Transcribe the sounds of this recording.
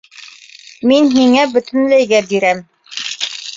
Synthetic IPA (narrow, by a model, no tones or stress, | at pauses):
minɦiŋæbɵ̆t̪ɘ̆nlæjɡæbiɾæm